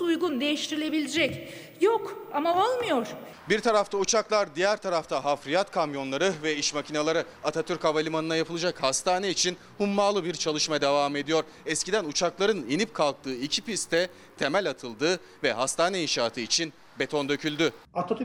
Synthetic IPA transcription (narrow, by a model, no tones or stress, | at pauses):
ujɡund̪e̞jiʃt̪ʰiɾilʲe̞bilʲid͡ʒɛc | jokamaolˠmɯjoɾ̥ | biɾt̪ʰaɾaft̪ʰaut͡ʃʰaklˠaɾd̪ijæɾt̪ʰaɾaft̪ʰaɦafɾijat̪kʰamjo̞nlˠaɾɯvɛiʃmacʰinalˠaɾɯ | at̪ʰat̪ʰyɾkavalʲimanɯnajapʰɯlˠad͡ʒakhast̪ʰaːnɛit͡ʃʰin | humːaːlˠɯbiɾt͡ʃʰalˠɯʃmad̪e̞vaːme̞d̪ijo̞ɾ | ɛscid̪ænut͡ʃʰaklˠaɾɯninip̚kʰalˠk̚t̪ʰɯːicʰipist̪ʰɛ | t̪ʰe̞mælʲat̪ʰɯlˠd̪ɯː | vɛhast̪ʰaːnɛinʃaːt̪ʰɯit͡ʃʰin | be̞t̪ʰo̞nd̪ø̞cʰylʲd̪y | at̪ʰat̪